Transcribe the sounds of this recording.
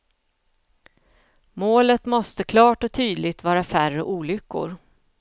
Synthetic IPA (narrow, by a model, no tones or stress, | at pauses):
moːlət̪mɔst̪əkʰlɑːʈɔt̪ʰyːd̪lɪɡt̪vɑːɾafærəʔuːlʏkːʊ̰ɾ